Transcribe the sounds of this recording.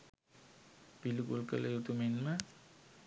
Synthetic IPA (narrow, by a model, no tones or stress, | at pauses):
piluɡulkə̰ləjut̪umenmə